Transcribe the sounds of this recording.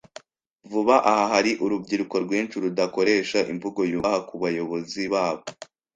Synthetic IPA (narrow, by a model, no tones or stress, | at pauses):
vuβaʔahaɦaɾiʔuɾubɟiɾuko̞ɾɡwiːnt͡ʃuɾudako̞ɾe̞ːʃaʔḭmvuɡo̞juhakuβajo̞βo̞ziβaːβo